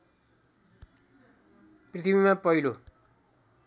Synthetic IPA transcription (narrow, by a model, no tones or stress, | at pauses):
prit̪ʰibimãpʌjlo